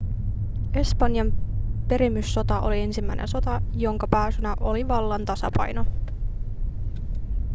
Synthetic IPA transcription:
e̞spɑnjɑmpe̞ɾimːysːo̞t̪ɑʔolie̞nsimːæjnḛnso̞t̪ɑjo̞ŋkɑpæːsynæʔo̞liʋɑlːɑnt̪ɑsɑ̰pɑ̰jno̞

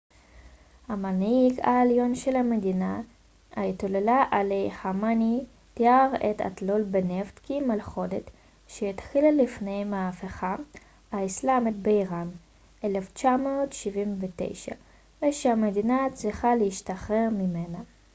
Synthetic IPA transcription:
hamaniɡa̰eljo̞nʃelhamedina | ait̪olelaʔalejhamani | t̪iaʁeta̰tlolbeneft̪kimalχo̞det | ʃeitχilalifnejmaafeχa | aislamet̪̚beiʁam | ʔeleft͡ʃamoːt̪ʃivimvetḛjʃa̰ | veʃehamedinat͡sʁiχaleiʃtaχʁeʁmimena

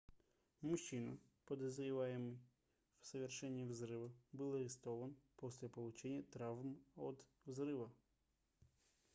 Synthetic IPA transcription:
mʊʃinɐpɔd̪ɔzɾʲɪʋɑjemɪj | wsɐʋʲerʃɛnʲːiwzɾɪʋɐbɨlˠɐɾʲɪst̪ɔʋɐnpɔsʲlʲɐpɔlˠʊt͡ʃɛnʲːɐt̪ɾɑʋmɔ̰d̪ | wzɾɪʋɐ

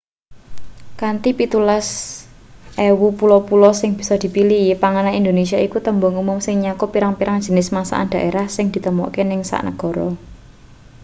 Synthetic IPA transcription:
kant̪ipit̪ulas | ʔewupulɔpulɔsɪŋb̥i̤̥sɔd̪̥i̤piliipaŋanaind̪onesiaikut̪əmbɔŋumʊmsɪŋɲakɔpiɾaŋpiɾaŋd̥ʒ̥ə̤nɪsmasa̰ʔa̰nd̪̥a̤ʔeɾahsɪŋd̪̥i̤t̪əmɔ̰kenɪŋsa̰ʔnə̰ɡ̥ɔ̤ɾɔ

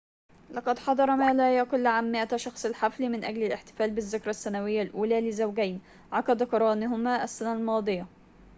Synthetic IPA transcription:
lɑqɑd̪ħɑd̪ˤɑɾˤɑmæːlæːjækʊlːʕamːɪʔæʃɑxsˤɪlħaflimɪnʔæ̰ɡlɪlɪħt̪ɪ̥fæːlbɪzːɪkɾˤɑsːænæwɪjːælʔuːlæːlɪzawɡæjn | ʕɑkɑd̪ˤɑkɑɾˤɑːnɪɦʊmæːʔæsːænælmɑːd̪ˤɨjɑ

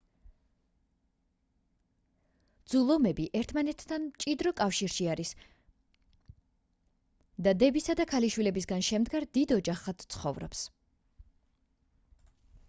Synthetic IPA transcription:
d̪zulˠɔmɛbiʔɛɾt̪ʰmanɛt̪ʰːant͡ʃʼid̪ɾɔkʼafʃiɾʃiaɾis | d̪ad̪ɛbisad̪akʰaliʃwilɛbis̬ɡanʃɛmd̪ɡaɾd̪id̪ɔd͡ʒaχat̪t̪sʰχɔvɾɔps

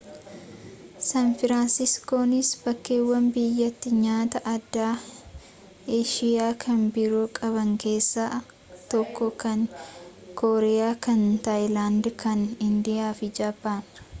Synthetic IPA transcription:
sɐnfɪɾaːnsɪskoːnɪsbɐkːeːwːɐnbɪjːɐt̪ːɪɲaːt̪ɐʔɐd̪ːaː | eːʃɪjaːkʰɐnbɪɾuːkʼɐβɐŋke̞ːsːaː | t̪ɔkːɔkɐŋ | koːɾɛjaːkɐnt̪ɐʔjlaːnd̪kʰɐnɪnd̪ɪjaːfɪd͡ʒaːbaːn

